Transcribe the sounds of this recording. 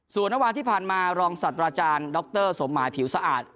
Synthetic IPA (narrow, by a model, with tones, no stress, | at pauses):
su˨˩ənːa˥waː˧nt̪ʰiː˥˩pʰaː˨˩nmaː˧ɾɔː˧ŋsaː˨˩t̪̚ːɾaː˧t͡ɕaː˧ndɔ˦˥k̚t̪ɤː˥˩so˩˦mːaː˩˦jpʰi˩˦wsa˧ʔa̰ː˨˩t̪̚